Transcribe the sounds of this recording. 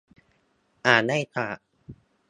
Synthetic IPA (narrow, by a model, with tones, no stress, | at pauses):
ʔaː˨˩na˥˩jt̪ʰaː˨˩